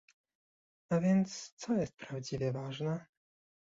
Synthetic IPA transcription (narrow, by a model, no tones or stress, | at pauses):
avʲjɛnt̪st̪sɔjɛst̪̚pɾavd͡ʑivʲjɛvaʐnɛ